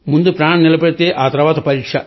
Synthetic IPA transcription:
mʊnd̪upɾaːɳɐ̃mnɪlɐpɐɽɯt̪ːeːʔaːt̪ɐɾɐʋaːt̪ɐpɐɾiːʈʂɐ

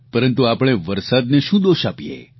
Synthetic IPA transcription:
pəɾənt̪uapɽ̃eʋəɾsad̪neʃũd̪oʃapijḛ

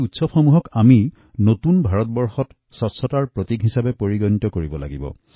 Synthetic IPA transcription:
utsɔpxɔmuɦɔkami | notunbʱaɹɔt̚bɔɹxɔt | sɔtsɔtaɹpɹotiɡɦisabɛpoɹiɡɔnitɔkoɹibɔla̰ɡibɔ̰

